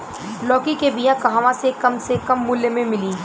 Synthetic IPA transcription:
lɔːkikebijãkɐɦaːʋãsekɐmsekɐmːʊlːemẽmɪliː

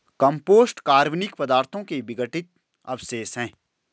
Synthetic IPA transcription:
kɐ̃mpoːsʈkaːɾʋnɪkpɐd̪aːɾt̪ʰõkeʋɪɡəʈɪt̪̚ | ɐ̰bseːsɦɛ̃ː

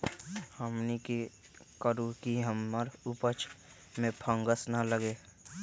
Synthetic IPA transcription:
həmniki | kəɾukiɦəmːəɾupət͡ʃʰ | mẽpʰə̃ŋɡəsnaləɡeː

